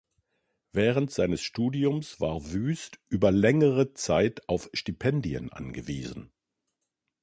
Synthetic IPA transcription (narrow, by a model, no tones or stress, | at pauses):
vɛːʁəntz̥aɪnəsʃtuːdiʊmsv̥aːɐvyːstʔyːbɐlɛŋəʁət͡saɪtaʊfʃtipʰɛndiə̰nʔa̰nɡəvḭːzn̩